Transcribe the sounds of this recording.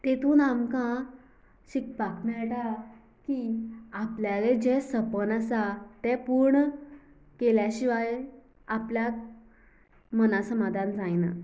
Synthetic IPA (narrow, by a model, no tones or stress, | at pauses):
t̪et̪uːnamkã | ɕik̚baknajɛʈa | kiapljaled͡ʑɛsəpənasat̪ɛpuɾɳə | keljaɕiʋaj | apljak̚ | mənasəmad̪ʱãnd͡zajna̰